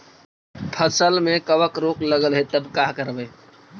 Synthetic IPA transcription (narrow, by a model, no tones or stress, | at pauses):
pʰəsəlmẽkəwəkɾoːkləɡəlɦet̪əbkaːɦkəɾbeː